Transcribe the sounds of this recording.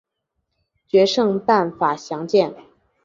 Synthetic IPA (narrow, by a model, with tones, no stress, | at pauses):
t͡ɕɥɛ˧˥ʂɤ˥˧ŋpa˥˩nfa˨˩ɕjɑ˧˥ŋt͡ɕjɛ˥˩n